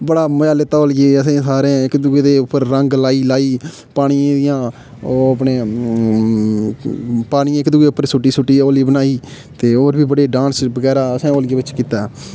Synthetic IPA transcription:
bəɽaːməaːlet̪ːaːoːlɡeːəsẽːsaːɾẽːɪkd̪ʊɡeːd̪eːʊpːəɾɾəŋɡlaːiːlaːiː | paːɽ̃ijãːd̪ɪjãː | oːəpneː | paːɽ̃ĩːɪkd̪ʊɡeːʊpːəɾsʊʈːiːsʊʈːiːoːliːbənaːiː | t̪eːoːɾbiːbəɽeːɖãːnsbəɡɛːɾaːəsẽːoːlɡeːbɪt͡ʃkiːt̪a

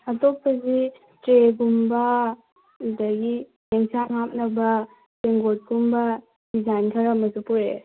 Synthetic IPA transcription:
ɐtok̚pɐzi | tɾeɡumbɐ | dɐɡi | jeŋsʰaŋap̚nɐbɐ | seŋɡot̚ɡumbɐ | dizajnkʰɐɾɐmɐsupuɾe

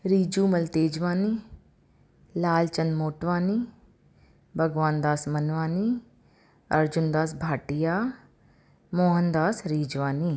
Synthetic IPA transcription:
ɾiːd͡ʒuːməlt̪eːd͡ʒʋaːniː | laːlt͡ʃənmoːʈʋaːniː | bʱəɡʋaːnd̪aːsmənʋaːniː | əɾd͡ʒʊnd̪aːs̬bʱaːʈɪjaː | moːɦənd̪aːsɾiːd͡ʒʋaːniː

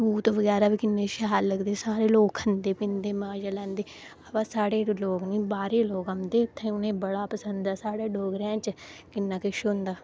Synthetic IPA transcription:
uːt̪oʋəɡɛːɾaːbiːkɪnːeːʃaɦaːlːəɡd̪eːsaːɾeːloːkʰənd̪eːpɪnd̪eːmaːd͡ʒaːlɛ̃ːnd̪eː | əbaːsaːɽeːloːkniːbaːɾeːloːkəmd̪eːʊt̪ʰːẽːʊnẽːbəɽaːpəsənd̪aːsaːɽeːɖoːɡɾɛ̃ːt͡ʃkɪnːãːkɪʃnd̪aː

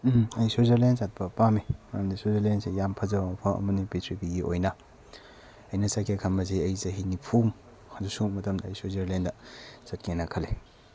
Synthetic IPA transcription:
mɐjsozɐɾlenzat̚bɐpamimɐjamdisozɐɾlensejampʰɐzɐwpʰɐɐ̰mɐnipitʰɾipiɡiʔojnɐ | ɐjnɐsakekʰɐmbɐz̬eɐjzɐɦinipʰum | hɐdusumɐtɐmdɐːjsozɐɾlendɐzɐt̚kenɐkʰɐle

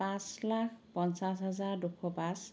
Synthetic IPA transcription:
pãslakʰpɔnsasɦɛzaɹdukʰːɔpas

